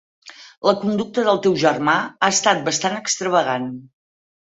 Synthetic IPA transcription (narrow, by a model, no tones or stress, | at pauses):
ləkund̪uk̚t̪əðəlˠt̪ewʒərmaaəst̪at̪̚bəst̪anəkst̪ɾəβəɣan